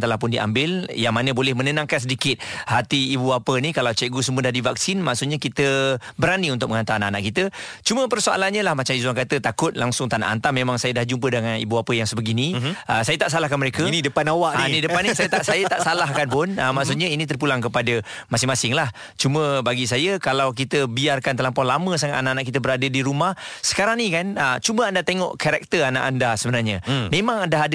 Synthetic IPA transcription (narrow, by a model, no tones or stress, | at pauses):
t̪əlahpʊndiʔa̰mbɪljaŋmanəbolɛhmənənãŋkans̬ədikɪt̪̚hat̪iːbuapənikalawt͡ʃɛʔ̚ɡus̬əmuədahdivak̚sɪnmaʔsʊt̪̚ɲakit̪əbəɾaniunt̪ʊk̚mə̃ŋant̪aananaʔkit̪ət͡ʃumə̃pərsoa̰lanɲəlahmat͡ʃamis̬uaŋkat̪ət̪akʊt̪̚laŋsʊŋt̪ana̰ʔa̰nt̪amemaŋsajədahd͡ʒump̬ədəŋanḭbuapəjaŋsəbəɡiniəsajət̪aʔsalahkanməɾekəinidəpanawaʔnnidəpanːisajət̪aʔsajət̪aʔsalaɦkanpʊnəmaʔsʊt̪̚ɲainit̪ərp̬ulaŋkəpadə | masɪŋmasɪŋlah | t͡ʃumə̃baɡis̬ajəkalawk̬it̪əbiarkant̪əlampɔlamə̃s̬aŋat̪anaʔanaʔkit̪əbəɾadədiɾumahsə̥kaɾaŋnĩkanət͡ʃuməandat̪eŋɔ̰ʔkaɾak̚t̪əana̰ʔandasəbənarɲəmemãŋandaɦad